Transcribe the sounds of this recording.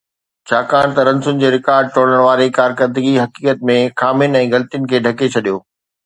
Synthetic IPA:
t͡ɕʰaːkaːɽ̃t̪ɐɾɐ̃nsʊnɪ̆d͡ʑeːɾɪkaːɾɖ̚ʈoːɽəɽ̃ʋaːɾekaːɾkəɾd̪əɡiɦɐkiːkət̪̚mẽxaːmɪʊnɛ̃ːɣɐlət̪ijʊnɪ̆kʰeːɖʱɐket͡ɕʰɐɗijoː

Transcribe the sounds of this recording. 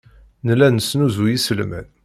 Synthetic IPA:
nəlːænəsnuzujisəlmæ̰n

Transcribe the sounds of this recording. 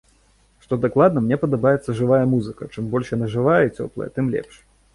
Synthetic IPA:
ʂt̪ɔd̪aklˠad̪nɐmnʲɛpɐd̪abajɛt̪sːɐʐɨvajɐmuzɨkɐt͡ʂɨmbɔlʲʂjanaʐɨvajɐit͡sʲɔ̰plˠɐ̰jɐ̰t̪ɨmlʲɛ̰pʂ

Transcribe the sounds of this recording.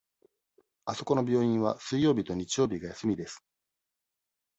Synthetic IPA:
aso̞ko̞no̞bʲo̞ːĩɰ̃βa̰sɨijo̞ːbʲit̪o̞ɲ̟it͡ɕijo̞ːbʲiɡajasɨmʲid̪e̞sɨ̥

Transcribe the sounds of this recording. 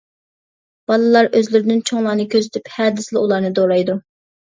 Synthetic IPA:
b̥ɑlˠɨlˠɑɾøzlɪɾɪnɪnt͡ʃʰoŋlˠɑːnɨkʲʰøzɪt̪ʰyphɛːd̪ɪslɪulˠɑɾnɨd̪oɾɑjd̪u

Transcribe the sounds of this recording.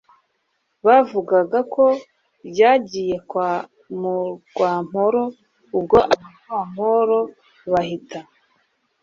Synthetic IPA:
βavuɡaɡakʰo̞ | ɟaːɟiːje̞kwa | muɡ̥waːm̥oɾo̞ | ub̚ɡo̞ʔaβaɾɡwaːm̥hoɾo̞ | βahitʰa

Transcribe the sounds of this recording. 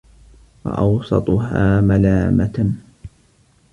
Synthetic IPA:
wɑ̰ʔɑwsˤɑt̪ˤʊɦaːmalaːmat̪

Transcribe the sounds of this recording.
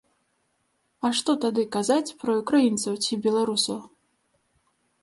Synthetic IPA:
ɐʂt̪ɔt̪ad̪ɨkazat͡sʲpɾɐukɾajint̪sɐwt͡sʲibʲɛlˠaɾusɐw

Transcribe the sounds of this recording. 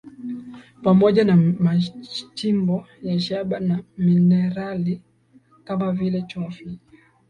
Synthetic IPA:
pamɔʄanamat͡ʃimbɔ | jaʃaɓanaminɛɾali | kamavilɛt͡ʃɔfi

